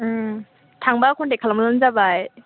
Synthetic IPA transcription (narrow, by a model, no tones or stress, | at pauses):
tʰaŋbakʰɔndekʰalamɯlɯnzabaj